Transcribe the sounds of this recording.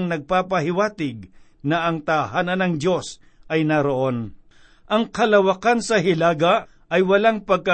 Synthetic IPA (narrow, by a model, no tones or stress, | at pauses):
ŋnɐɡ̚papɐhɪwaːt̪ɪɡ̚ | nɐʔɐŋt̪ɐhaːnɐnɐŋd̪jo̞s | ʔɐjnɐɾo̞ʔo̞n | ʔɐŋkɐlɐwɐkansɐɦɪlaːɡɐ | ʔɐjwɐlaŋpɐɡ̚kɐ